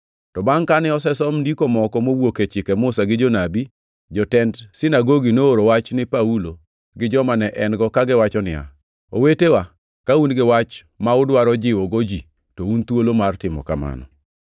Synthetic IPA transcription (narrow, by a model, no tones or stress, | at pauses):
tɔbaŋkanɪɔsɛsɔmndikomɔkɔmowoket͡ʃɪkɛmʊsaɡɪd͡ʒonabi | d͡ʒɔtɛndsɪnaɡoɡinooɾowat͡ʃnɪpaulo | ɡɪd͡ʒɔmanɛʔɛnɡɔkaɡɪwat͡ʃɔnɪja̰ | o̰wetewa | kaunɡɪwat͡ʃ | maʊdwaɾɔd͡ʒɪwɔɡod͡ʒi | tount̪wolomartɪmɔ̰kama̰nɔ̰